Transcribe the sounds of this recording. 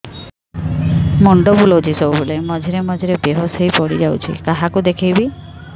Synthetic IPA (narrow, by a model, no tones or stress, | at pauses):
mɔɳɖɔbulod͡ʒʱisowbulemɔd͡ʒʱiɾemɔd͡ʒʱiɾebeɦɔsejpɔɽid͡ʒawt͡ʃʰḭkaɦakud̪ekʰijbi